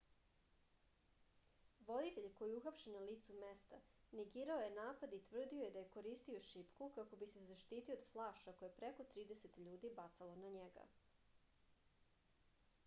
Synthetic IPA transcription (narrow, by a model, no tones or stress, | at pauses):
ʋo̞d̪it̪e̞ʎko̞jiuxapʃenaliːt̪sume̞st̪a | neɡiːɾaoje̞naːpad̪it̪ʋr̩d̪ioje̞d̪aje̞ko̞ɾiːst̪io̞ʃipkukako̞bise̞zaʃt̪iːt̪iod̪flˠaːʃako̞jepɾe̞ko̞t̪ɾiːd̪ese̞t̪ʎuːd̪ibat̪salonaɲeɡa̰